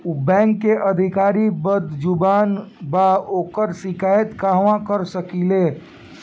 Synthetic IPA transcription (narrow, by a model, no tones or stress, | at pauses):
bɛ̃ːŋkːeʔəd̪ʱɪkaːɾibəd̪d͡ʒʊbaːnbaoːkəɾsɪkaːjət̪kaːɦʋãkəɾsəkileː